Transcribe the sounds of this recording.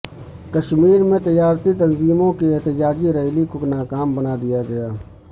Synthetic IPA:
kəʃmiːɾmẽt̪ɪjaːɾt̪it̪ənziːmõkiɪɦt̪ɪd͡ʒaːd͡ʒiɾəɦlikonaːkaːmbənaːd̪ɪjaɡɐjaː

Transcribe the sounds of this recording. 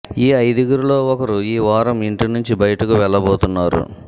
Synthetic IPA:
iːɐjd̪iɡuɾulo̞ːɔkɐɾuiːʋaːɾɐmiɳʈinuɲt͡ʃibɐjɐʈɐkuʋɛɭːɐboːt̪unːaːɾṵ

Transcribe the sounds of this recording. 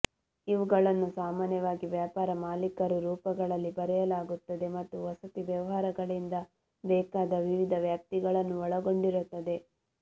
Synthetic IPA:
iʋuɡɐɭɐnːusaːmaːnjɐʋaːɡiʋjaːpaːɾɐmaːlikɐɾuɾuːpɐɡɐɭɐlːibɐɾɛjɐlaːɡut̪ːɐd̪e̞mɐt̪ːuʋɐsɐt̪iʋjɐʋɐɦaːɾɐɡɐɭind̪ɐ | bɛːkaːd̪ɐʋiʋid̪ʱɐʋjaːp̚t̪iɡɐɭɐnːuɔɭɐɡo̞ɳɖiɾut̪ːɐd̪e̞

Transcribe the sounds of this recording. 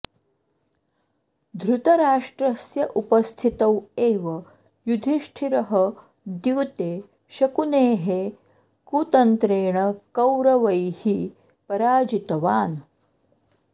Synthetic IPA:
d̪ʱɾut̪ɐɾaːʂʈɾɐsjɐʔupɐst̪ʰit̪ɐweːʋɐ | jud̪ʱiʂʈʰiɾɐɦɐ | d̪juːt̪eː | ʃɐkuneːɦe | kuːt̪ɐnt̪ɾeːɳ̃ɐkɐwɾɐʋɐjhi | pɐɾaːd͡ʒit̪ɐʋaːn

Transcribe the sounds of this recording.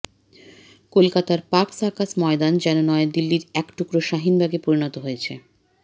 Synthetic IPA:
kolkat̪aɾpaksakasmɔed̪and͡ʑɛnonɔed̪ilːiɾɛkʈukɾoʃaɦinbʱaɡepoɾinot̪oɦojet͡ɕʰe

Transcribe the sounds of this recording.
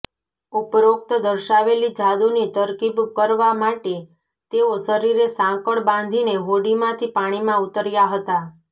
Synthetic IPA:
upɾok̚t̪əd̪əɾʃaʋelid͡ʒad̪unit̪əɾkibkəɾʋamaʈe | t̪eosəɾiɾesãkəɭbãn̆d̪ʱineʋoɽimãt̪ʰipaɽ̃imãut̪əɾjaɦət̪a

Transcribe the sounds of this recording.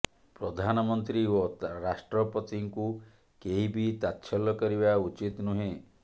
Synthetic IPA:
pɾɔd̪ʱanɔmɔnt̪ɾioɾasʈɾɔpɔt̪iŋku | keɦibit̪at̪ːt͡ʃʰɔlːɔkɔɾibaut͡ʃit̪nuɦẽ

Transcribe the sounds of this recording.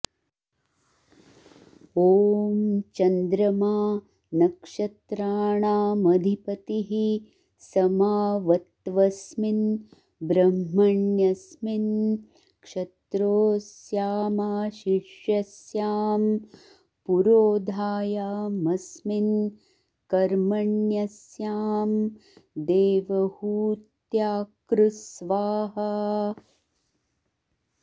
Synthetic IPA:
oːmt͡ʃɐnd̪ɾɐmaː | nɐkʂɐt̪ɾaːɳaːmɐd̪ʱipɐt̪iɦi | sɐmaːʋɐt̪ʋɐsmin | bɾɐmːɐɳjɐsmin | kʂɐt̪ɾoːsjaːmaːʃiʃjɐsjaːm | puɾoːd̪ʱaːjaːmɐsmin | kɐɾmɐɳjɐsjaːmd̪eːʋɐhuːt̪jaːkɾusʋaːɦɐ

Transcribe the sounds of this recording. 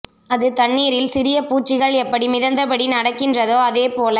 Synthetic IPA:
ɐðɯt̪ɐɳːiːɾɪlsɪɾɪjɐpuːʈt͡ʃːɪɣɐɭɛpːɐɽimɪðɐnd̪ɐpɐɽinɐɽɐkːɪndrɐðoːɐðeːpoːlɐ

